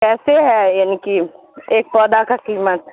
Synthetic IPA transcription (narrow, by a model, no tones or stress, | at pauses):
kɛːseɦɛjaːniki | eːk̚pɔːd̪akakiːmət̪